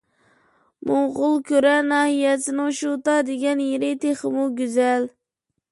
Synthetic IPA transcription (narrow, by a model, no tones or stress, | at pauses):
mʔoʁʊlˠkʲøɾɛnɑːhijɛsɪnɪŋʃut̪ɑd̪eɡʲɛnjeɾɪt̪ʰeχɨmuɡʲyzɛl